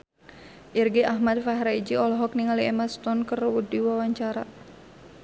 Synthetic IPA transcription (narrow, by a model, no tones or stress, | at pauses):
ʔirɡiʔaɦmat̪̚faɦɾaid͡ʒiɔlɔɦɔk̚niŋaliɛmast̪ɔnkərwudiwawaɲt͡ʃaɾa